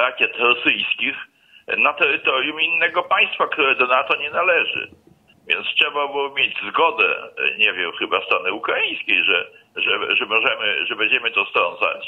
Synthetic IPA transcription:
ɾakʲɛt̪ɾɔsɘjskʲix | nat̪ɛɾɘt̪ɔɾjuminːɛɡɔpaj̃st̪fakt̪uɾɛd̪ɔnat̪ɔɲɛnalɛʐɘ̰ | vʲjɛ̰nt̪stʂɛbabɨwmʲjed͡ʑzɡɔd̪ɛ̰ɲɛvʲjɛmxɘbast̪ɾɔnɘukɾaĩj̃skʲejʐɛʐɛʐɛmɔʐɛmɘ̰ʐɛbɛɲd͡ʑɛmɘt̪ɔst̪ɾɔnza̰t͡ɕ

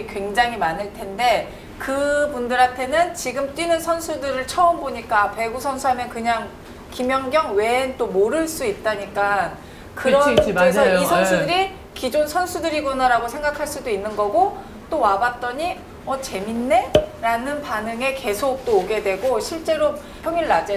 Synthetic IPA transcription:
kwe̞ŋd͡ʑaŋɦimanɯɭtʰe̞nde̞ | kɯbundɯɾantʰe̞nɯnt͡ɕiɡɯmt͈winɯnsʰʌnsʰudɯɾɯɭt͡ɕʰʌɯmboɲik͈ape̞ɡusʰʌnsʰuɦamjʌnkɯɲaŋ | kimjʌŋɡjʌŋwe̞nt͈omoɾɯɭs͈uit̚t͈aɲik͈a | kɯɾʌesʰʌisʰʌnsʰudɯɾi | kid͡ʑonsʰʌnsʰudɯɾiɡʌnaɾaɡosʰe̞ŋɡakʰaɭs͈udoinːɯnɡʌɡo | t͈owabat̚t͈ʌɲi | ʌt͡ɕe̞minːe̞ɾanɯnpanɯŋe̞ke̞sʰok̚t͈oːɡe̞dwe̞ɡoɕʰiɭt͡ɕ͈e̞ɾo | pʰjʌŋiɭːad͡ʑe

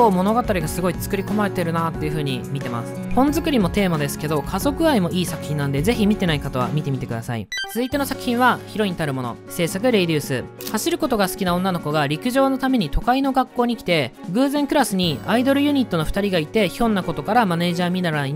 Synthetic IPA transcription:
oːmo̞no̞ɡat̪aɾʲiɡasɨɡo̞it͡sɨ̥kɯ̟ɾʲiko̞maɾe̞t̪e̞ɾɯ̟nat̪ːe̞jiɯ̟ɸɯ̟ːɲ̟imʲit̪e̞ma̰sɨ̥hõ̞nzɨkɯ̟ɾʲimo̞t̪e̞ːmad̪e̞sɨ̥ke̞d̪o̞kʰazo̞kɯ̟aimo̞ʔiːsakɯ̟̥çʲĩnːãnd̪e̞ze̞çimʲit̪e̞naikat̪o̞βa̰mʲit̪e̞mʲit̪e̞kɯ̟d̪asa̰ḭt͡sɨzɨit̪e̞no̞sakɯ̟̥çʲĩɰ̃βaçiɾo̞ĩɲt̪aɾɯ̟mo̞no̞̰se̞ːsak̬ɯ̟ɾe̞ɾʲɯːsɨ̰haɕiɾɯ̟ko̞t̪o̞ɡasɨ̥kʲinaõ̞nːano̞ko̞ɡaɾʲikɯ̟ʑo̞ːno̞t̪ame̞ɲ̟it̪o̞kaino̞ɡakːo̞ːɲ̟ikʲi̥t̪e̞ɡɯ̟ːzẽ̞ŋkɯ̟ɾasɨɲ̟iaid̪o̞ɾɯ̟jɯ̟ɲ̟it̪ːo̞no̞ɸɯ̟̥t̪aɾʲiɡait̪e̞çõ̞nːako̞t̪okaɾamane̞ːʑaːmʲinaɾani

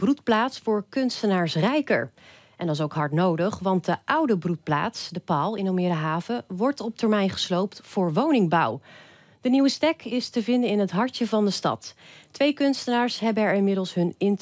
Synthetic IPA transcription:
brutplaːtsfʊːɹkɵnstənaːɹsrɛjkə̰ɹ | ʔɛndɑɪsowkɦɑɹtnowdəχʋɑnt̚dəʔʌwdəbrut̚pla̰ːtsdəpaːlˠɪnomɪɾaɦaːvəʋɔɹtɔp̚təɹmɛjnχə̥slowptfʊːɹʋownɪŋbɑ̰w | dəniwəstɛkɪstəvɪndənɪnətɦɑɹtəvɑndəstɑ̰tːʋejkɵnstənaːɹsɦɛbənɛɹɪnmɪdəlˠsɦɵnɪn

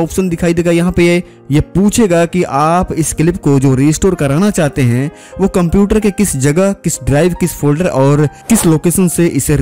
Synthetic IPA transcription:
ɔːpʃənd̪ɪkʰaːid̪eːɡajɐɦãpe | jepuːt͡ʃʰeːɡakiʔaːpɪskɪlɪpkod͡ʒoːɾiːsʈoːɾkɐɾaːnat͡ʃaːɦt̪eɦɛ̃ | ʋokɐ̃mpjuːʈəɾkekɪsd͡ʒɐɡəɦkɪsɖɾaːɪʋkɪspʰoːlɖəɾɔːɾkɪsloːkeːʃənseʔɪseɾ

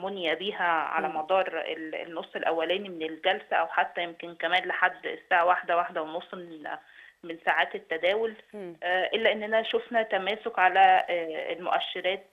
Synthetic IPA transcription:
monjæbiːɦæʕa̰læmɑd̪ˤɑːɾˤḛlḛnːosˤːelʔæwːælæːnimenelɡælsæʔæwħat̪ːæjemkenkæmæːnleħad̪ːsːaːʕawaħd̪æwaħd̪æwenosˤːmenmensaʕaːt̪et̪ːæd̪æːwol | ʔelːæʔenːʔænæʃofnæt̪æmæːsokʕalæḛlmo̰ʔæʃːeɾæːt̪̚

